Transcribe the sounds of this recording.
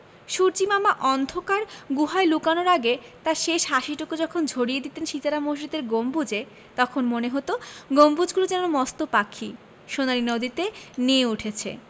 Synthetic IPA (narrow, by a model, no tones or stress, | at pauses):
ʃuɾd͡ʑimamaʔɔnd̪ʱokaɾɡuɦaelukanoɾaɡet̪aɾʃeʃɦaʃiʈokud͡ʑɔkʰond͡ʑʱoɽijed̪it̪enʃit̪aɾamoʃɾid̪eɾɡombud͡ʑe | t̪ɔkʰonmoneɦot̪oɡombud͡ʑɡulod͡ʑɛnomɔst̪opakʰːi | ʃonaɾinod̪it̪enieuʈʰet͡ɕʰḛ